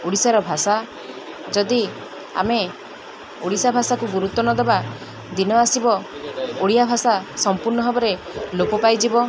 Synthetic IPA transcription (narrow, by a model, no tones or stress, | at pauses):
oɽisaɾɔbʱasa | d͡ʒɔd̪i | a̰me | oɽisabʱasakuɡuɾut̪ːɔnɔd̪eba | d̪inɔasibɔoɽijabʱasasɔmpuɾnɔɦɔbɔɾe | lopɔpajd͡ʒibɔ